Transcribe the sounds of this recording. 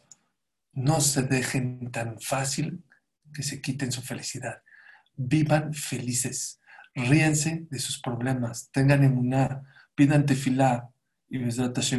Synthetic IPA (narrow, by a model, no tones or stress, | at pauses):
no̞se̞ðe̞xe̞nt̪anfasil | ke̞se̞kit̪e̞ns̬ufe̞lisiðað | biβanfe̞lise̞s | riense̞ðe̞suspɾo̞β̞le̞mast̪e̞ŋɡanemuna | piðant̪̬efila | imezɾat̪asjo